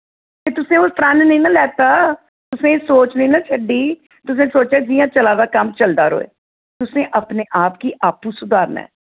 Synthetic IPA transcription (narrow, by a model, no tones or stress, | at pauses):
t̪eːt̪ʊsẽːʊspɾãːnnĩːnãːlɛːt̪aː | t̪ʊsẽːsoːt͡ʃnəĩːnaːt͡ʃʰəɖiː | t̪ʊs̬ẽːsoːt͡ʃɛːd͡ʒiːãːt͡ʃəlaːd̪aːkəmt͡ʃəld̪aːɾo̰ːḛː | t̪ʊsẽːʔəpneːʔaːpkiːʔaːpuːsʊd̪aːɾnɛ̰ː